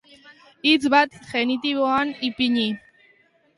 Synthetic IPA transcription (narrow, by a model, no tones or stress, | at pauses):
it͡sβat̪χenit̪iβoanipiɲi